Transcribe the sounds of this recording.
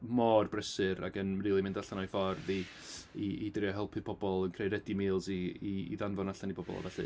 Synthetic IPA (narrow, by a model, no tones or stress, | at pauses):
mɔːrbrəsɨɾa̰ɡənriːlˠimɪndaɬanɔjfɔrði | iidrjɔɦɛlˠpʰɨð̥pʰɔbɔlˠənkʰrejɾɛdimiːlˠziiḭðanvɔnaɬanibɔbɔ̰lˠa̰vɛɬɨ̰